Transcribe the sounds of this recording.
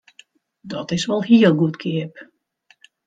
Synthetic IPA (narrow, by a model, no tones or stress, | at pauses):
dɔtɪsʋɔlˠhiəlˠɡutkʰɪəp